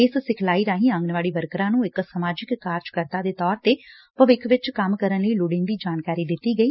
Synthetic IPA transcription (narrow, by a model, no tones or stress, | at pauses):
ɪssɪkʰlaːiːɾaːɦĩːə̃ŋɡnʋaːɽiːbəɾkɾãːnũːɪksəmaːd͡ʒɪkːaːɾd͡ʒkəɾt̪ãːd̪eːt̪ɔːɾt̪eː | pəʋɪkʰʋɪt͡ʃkəmkəɾənləiːlʊɽɪ̃nd̪iːd͡ʒaːnkaːɾiːd̪ɪt̪ːiːɡəiː